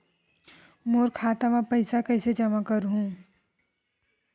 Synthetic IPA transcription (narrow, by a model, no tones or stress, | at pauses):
moːɾkʰaːt̪amãpɐɪsakɐɪsed͡ʒɐmakəɾɦũː